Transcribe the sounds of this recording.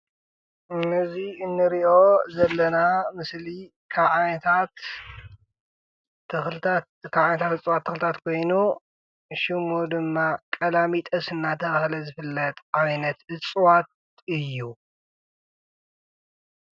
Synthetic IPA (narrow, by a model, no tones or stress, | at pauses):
nɨziɨnːɨɾiʔo̞zɐlːɐnamɨsli | kʰaʕant̪ʰat̪ | ɨxlɨt̪ʰa | kʰaβʕanɐt̪ʰat̪ɨt͡sʼwat̪ʰːɐxlɨt̪ʰat̪kʰo̞jnu | ʃimod̪ɨmːakʼɐlamit̪ʼɐsɨnːat̪ʰɐβahlɐzɨfɨlːɐt̪ʼʔajnɐt̪ɨt͡sʼwat̪̚ | ɨjːu